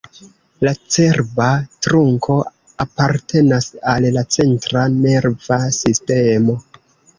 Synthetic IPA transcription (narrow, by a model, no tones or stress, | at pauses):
lat͡se̞ɾbatɾuŋkʰo̞ | apaɾte̞nasallat͡se̞ntɾane̞ɾvasiste̞mo̞